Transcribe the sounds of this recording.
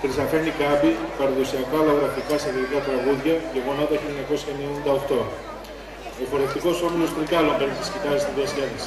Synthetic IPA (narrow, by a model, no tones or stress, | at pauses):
kɾisɐfenikɐbipɐɾɐðusiɐkɐlɐðɾɐft̪ikɐsɐɣoɾikɐt̪ɾɐɣuðʝɐceɣonɐt̪ɐçiloɲɐko̞sçɐemienind̪ɐoxt̪o̞ | ofo̞ɾest̪iko̞so̞milo̞st̪ɾikɐlo̞mpeɾnist̪i̥scit̪ɐɾest̪iðiɐsilɐnisi̥